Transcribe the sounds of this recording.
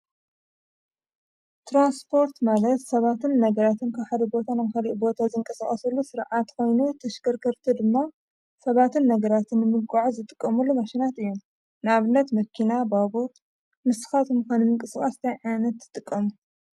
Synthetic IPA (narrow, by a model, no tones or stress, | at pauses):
t̪ʰɾanspʰo̞ɾt̪malɐt̪sɐβat̪ɨnːɐɡɐɾat̪ɨnkʰɐβħad̪ɐbo̞t̪ʰanaβxaliʔbo̞t̪ʰazɨŋkʼɐsaχʼɐsɐlːusɨɾʕat̪ko̞jnut̪ʰɐʃkɐɾkʰɐɾt̪ʰid̪ɨmːa | sɐβat̪ɨnːɐɡɐɾat̪ʰɨnːɨmɨɡaʕuzɨt̪ʼɨkʼːɐmulːumɐʃinat̪ɨjːom | naβɨnːɐt̪mɐkʰinababut̪ | mɨsɨ̥xat̪ʰomɨxanimɨŋkʼɨskʼast̪ʰajʕajnɐt̪zɨt̪ʼɨkʼːɐmu